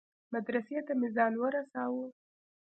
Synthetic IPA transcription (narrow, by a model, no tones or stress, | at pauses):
mad̪ɾaset̪amɪzɑnwəɾasɑwə